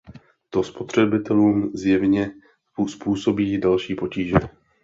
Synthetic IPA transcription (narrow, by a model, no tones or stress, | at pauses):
t̪o̞spo̞t̪r̝̥ɛbɪt̪ɛluːmzjɛvɲɛ | spuːso̞biːdalʃiːpo̞ciːʒɛ